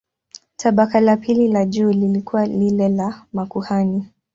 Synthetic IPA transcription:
tʰaɓakalapililaʄuːlilikuwalilɛlamakuhani

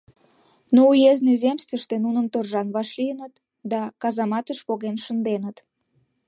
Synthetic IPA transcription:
noujeznezemst̪ʲvʲəʃt̪enunəmt̪orʒɑnβɑʃlijənət̪ | d̪ɑkɑzɑmɑt̪əʃpoɣenʃə̆nd̪enət̪

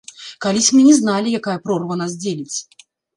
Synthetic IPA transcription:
kalʲisʲmɨnʲɛznalʲijakajɐpɾɔrvənazʲd͡zʲelʲɪt͡sʲ

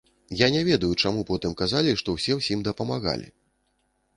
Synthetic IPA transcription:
janʲɛvʲɛd̪ɐjut͡ʂamupɔt̪ɨmkazalʲiʂt̪ɔwsʲɛwsʲimd̪ɐpɐmaɣa̰lʲḭ

